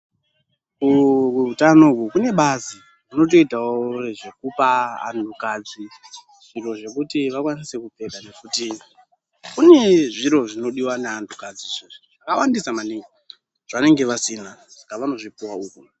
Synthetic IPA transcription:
kuuutanokukune̞ɓazi | muno̞t̬o̞itawoʐe̞kupaa̰ndukad͡zi | ʐiro̞ʐe̞kutiʋakwanise̞kupe̞kane̞kuti | kune̞ʐiɾo̞ʐino̞ɗiwaneandukad͡ziʐeʐo | kawandisamaniŋi | ʐ̥ane̞ŋɡe̞ʋasinakaʋano̞ʐipuwauko

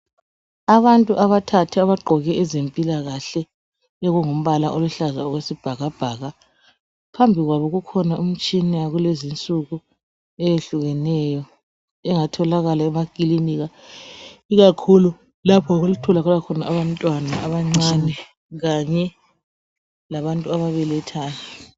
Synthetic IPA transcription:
aβantʼuʔaβatʰatʰɛaβaɡ͡ǃʱɔɣɛʔɛzempʼilaɣaɬɛ | ɛɣuŋum̩βalaʔoluɬazaɔɣwesib̥ʱaɣab̥ʱaːɣa | pʰambʱiɣwaβɔɣukʰɔnaum̩t͡ʃʼinɛjaɣulezint͡sʼuɣu | ɛjeɬuɣɛnɛjɔ | ɛŋatʰɔlaɣalaɛmakʼiliniɣa | iɣakʰulu | lapʰɔɣulutʰɔlaɣulakʰɔnaʔaβantʼwanaʔaβaŋ͡ǀanɛ | ɣaɲɛ | laβantʼuaβaβɛlɛtʰaːna

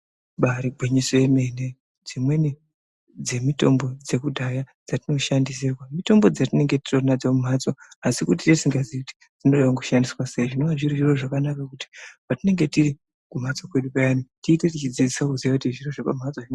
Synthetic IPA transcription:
ɓaɾibʱweɲesojeme̞ne | d͡zimwe̞ni | d͡ze̞mito̞mbo̞d͡ze̞kudʱaja | d͡zatino̞ʃandiserwamito̞mbo̞d͡zatine̞ŋɡeti̥tonad͡zamum̤at͡soasikut̬iteisiŋɡaziikuti̥ | d͡z̥ino̞ɗawaŋɡuʃandiswaseiʐinowaʐiriʐiro̞ʐakanakakuti̥patine̞ŋɡe̞tiɾi | kum̤at͡so̞kwe̞ɗupajanitiːte̞tit͡ʃid͡zid͡zisakuziʋakutiʐiro̞ʐapam̤at͡soin

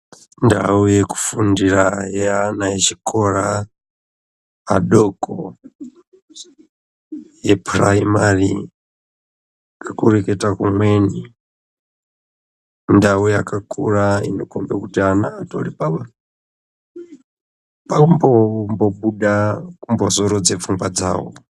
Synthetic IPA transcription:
ndaujɛku̥fundiɾajɛanajɛt͡ʃikʰʼɔɾa | ɗɔkʰɔ | jɛpʰɾaimaɾḭ | kʰakuɾɛkɛtakumwɛni | ndawujakʰʼakʼʰuɾaḭnɔkʰɔmbɛkutianaːto̰lipaɓa | paumbɔmbɔɓuɗakumbɔzɔɾɔd͡zɛfuŋɡwad͡za̰ːwɔ̰

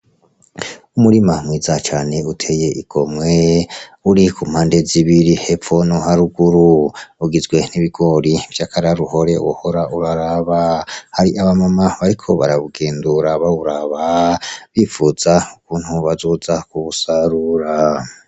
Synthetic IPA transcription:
umuɾimamwiːzat͡ʃaːne̞utʰe̞je̞ʔiɡ̥o̞mŋwe̞uɾikum̥haːnde̞ziβiɾihe̞fo̞noɦaɾuɡuɾuuɡizɡwe̞niβiɡo̞ɾivjaːkaɾaɾuho̞ɾe̞wo̰hoɾauɾaɾaβahaɾiʔaβamamaβaɾikʰo̞βa̰ɾaβuɡe̞ːnduɾaβauɾaβaβifuz̥aukuːn̥huβazuːzakuβusaɾuɾa

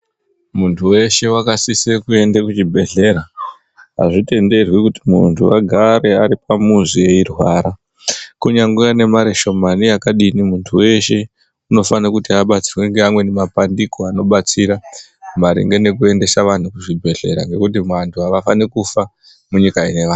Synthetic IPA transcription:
muntʰuwe̞ʃe̞wakasisekue̞ndekut͡ʃibʱe̞ɮe̞ɾa | ɦa̰ʐite̞nde̞rwikutimṵntʰuaɡʱaɾe̞aɾipamuzije̞irwaːɾa | kuɲaŋɡuane̞maɾeʃo̞manijakaɗinimuntʰuwe̞ʃe̞ | uno̞fanakutiaɓat͡sirweŋɡeamwe̞nemapandiko̞ano̞ɓat͡siɾa | maɾḭŋɡe̞ne̞kue̞nde̞saʋan̤ukuʐibʱe̞ɮe̞̰ɾa̰ŋɡe̞kutimwantʰuɦaʋafanikufa | muɲikaine̞ʋaːn

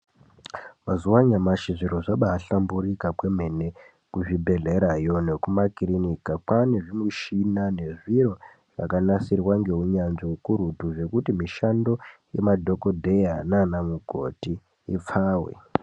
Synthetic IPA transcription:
mazuwaɲamaʃiʐiɾo̞ʐaɓaːɬambuɾikapwe̞m̤e̞ne̞ | kuʐibʱe̞ɮe̞ɾajo̞ne̞kumakirinikapane̞ʐimuʃinane̞ʐiɾo̞ | ʐa̰kanasirwaŋɡe̞uɲanʐiukuɾudʱuʐe̞kutimiʃando̞je̞madʱo̞kodʱe̞jananamuɡʱo̞̰tiː | p͡faːwḛ

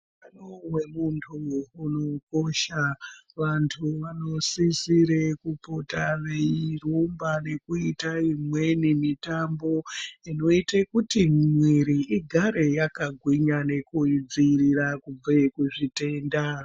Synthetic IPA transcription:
panowemuntʰuːno̞ko̞ʃaʋantʰuʋano̞sisiɾekupotareirumbane̞kuitaimwe̞nimitambo̞ino̞itekutimmweɾiʔiɡʱaɾe̞jakaɡʱwiɲane̞kud͡zirirakub͡vakuʐite̞ːnda

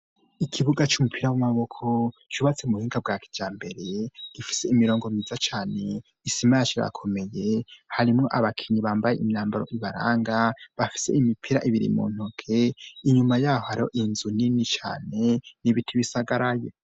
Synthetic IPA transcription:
ikʰiβuɡat͡ʃumupʰiɾawamaβo̞kʰot͡ʃuβat͡seumuhiːŋɡab̚ɡaːkʰi̥djaːmbe̞ɾe̞ɡ̥ifi̥se̞imiɾo̞ːŋɡomizat͡ʃaːne̞ | isimajat͡ʃiɾa̰kʰo̞me̞je̞haɾimŋo̞ʔaβakʰiɲiβaːmbaje̞ʔimɲaːmbaɾo̞̰ʔiβaɾa̰ːŋɡaβafi̥se̞̰imipʰiɾaʔiβiɾḭmṵːn̥hukʰeiɲumajaːhohaɾihoʔinzuninit͡ʃa̰ːne̞niβitʰiβisaɡaɾaje

